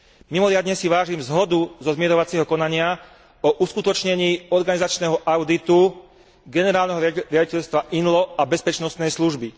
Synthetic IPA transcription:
mimɔɾɪad̪ɲɛsiʋaːʒimzɦɔd̪uzɔzmɪɛɾɔʋat͡siɛɦɔkɔnaɲɪa | ɔʔuskut̪ɔt͡ʃɲɛɲiːɔɾɡanizat͡ʃnɛːɦɔʔaʊd̪it̪u | ɡɛnɛɾaːlnɛɦɔɾɪaɟicɛʎst̪ʋaʔinlɔabɛspɛt͡ʃnɔst̪nɛjsluʒbi

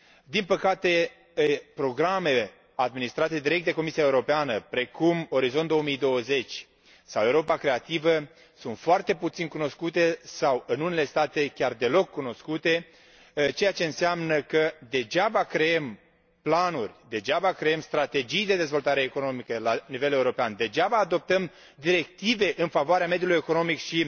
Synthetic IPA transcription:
d̪inpəkat̪e̞ | pɾo̞ɡɾame̞ | ad̪minist̪ɾat̪e̞d̪iɾekt̪d̪eko̞misiaeuɾo̞peanəpɾe̞kumo̞ɾizo̞nt̪o̞omijd̪o̞wəze̞t͡ʃʲ | sawe̞wɾo̞pakɾe̞at̪ivə | sunt̪foart̪e̞put̪sinkuno̞skut̪e̞sawɨnunele̞st̪at̪e̞kʲard̪e̞lo̞kːuno̞skut̪e̞ | t͡ʃe̞jat͡ʃe̞ɨnseamnəkəd̪e̞d͡ʒabakɾeem | planurʲd̪e̞d͡ʒabakɾeemst̪ɾat̪e̞d͡ʒijd̪e̞d̪e̞zvo̞lt̪aɾe̞ːko̞no̞mikəlanive̞leuɾo̞peand̪e̞d͡ʒabaːd̪o̞p̚t̪əm | d̪iɾe̞k̚t̪ive̞ʔɨnfavoaɾeamed̪julujeko̞no̞mikʃi

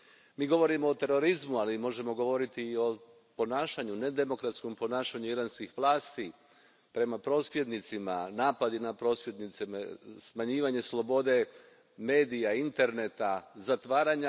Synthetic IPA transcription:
miːɡo̞ʋo̞ɾimo̞ːt̪e̞ɾo̞ɾizmualimo̞ʒe̞mo̞ɡo̞ʋo̞ɾit̪io̞ | po̞naːʃaɲune̞d̪e̞mo̞kɾat̪sko̞mpo̞naːʃaɲuiɾanskixʋlˠaːst̪i | pɾe̞mapɾo̞ːsʋje̞d̪nit̪simanaːpad̪inapɾo̞ːsʋjed̪nit̪simesmaɲiːʋaɲeslˠo̞bo̞d̪e̞ | me̞ːd̪ijaint̪e̞ɾne̞t̪azat̪ʋaːɾaɲa

